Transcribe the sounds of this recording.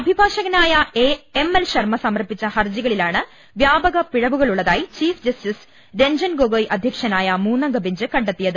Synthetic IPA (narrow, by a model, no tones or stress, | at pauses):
ɐbʱibʱaːʂɐɣɐnaːjɐeemelɕɐrmɐsɐmɐrpːit͡ɕːɐhɐrd͡ʑiɣɐɭilaːɳɨ | ʋjaːbɐɣɐpiɻɐʋuɣɐɭuɭːɐðaːjit͡ɕiːfd͡ʑɐstis | de̞ɲd͡ʑɐnɡoɣojʔɐd̪ʱjɐkʂɐnaːjɐmuːnːɐŋɡɐbiɲd͡ʑɨkɐɳɖet̪ːijɐðɨ